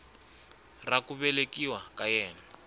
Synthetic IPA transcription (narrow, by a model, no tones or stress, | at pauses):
rakuβɛlekiwakajɛːna